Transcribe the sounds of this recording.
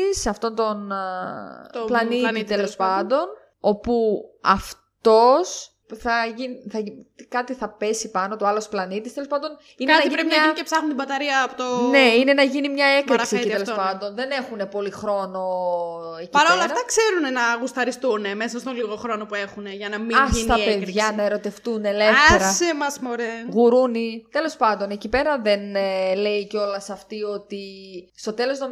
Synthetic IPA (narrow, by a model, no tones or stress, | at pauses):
sɐft̪o̞nd̪o̞n | plɐnitnit̪elo̞spɐnd̪o̞n | o̞puɐf | t̪o̞s | θɐʝinθɐkɐt̪iθɐpe̞sipɐno̞t̪oɐlossplɐnit̪ist̪eo̞spɐnd̪o̞n | ineɐnɐiiɾeinɐepsɐxunt̪ibɐt̪ɐɾiɐpot̪one̞ine̞nɐʝinimɲɐe̞kɾisiecit̪elo̞spɐnd̪o̞nðe̞ne̞xune̞po̞lixɾo̞no̞ | ecipɐɾolɐfɾɐtɐkseɾunenɐɣust̪ɐɾist̪unemesɐst̪oliɣoxɾo̞no̞pue̞xuneʝɐnɐmiɐsint̪ɐeðɾiʝɐnɐeɾo̞t̪e̞ft̪une̞lefeɾɐemɐsmoɾeɣuɾunit̪e̞lo̞spɐnd̪o̞ne̞cipe̞ɾɐðe̞nle̞ico̞lɐsɐft̪io̞t̪ist̪o̞t̪e̞lo̞znom